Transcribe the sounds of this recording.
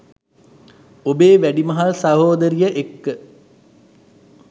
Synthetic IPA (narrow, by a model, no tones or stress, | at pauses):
obeːʋæɖimɐɦalsɐɦoːd̪əɾijəʔekːə